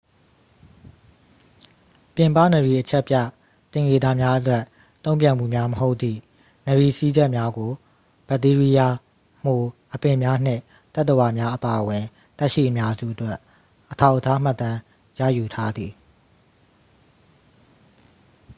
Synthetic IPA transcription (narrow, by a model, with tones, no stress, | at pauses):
pjɪ̃˨mpä̰˦˨nə˨ɹi˨ʔət͡ɕʰɛ˦ʔpja˦˨ | t̪ɪ̃˨ŋɡe˨d̪a˨mja˦ʔətwɛ˦ʔ | t̪õ˦ʊ̃mpjã˨m̥ṵ˦˨mja˦məho˦ʊʔ̪̚t̪ːḭ˦˨ | nə˨ɹi˨si˦d͡ʑɛ˦ʔmja˦ɡo˨ | b̥ɛ˨t̪i˦ɹi˦ja˨ | m̥o˨ʔəpɪ̃˨mja˦n̥ɪ̰̃˦˨ | t̪ɛ˦ʔt̪ə˨wa˨mja˦ʔəpa˨ʔəwɪ̃˨ | t̪ɛ˦ʔʃḭ˦˨ʔəmja˦zṵ˦˨ʔətwɛ˦ | ʔətʰa˦ʊʔətʰa˦m̥a˦˨t̪ã˦ | ja̰˦˨ju˨tʰa˦d̪ði˨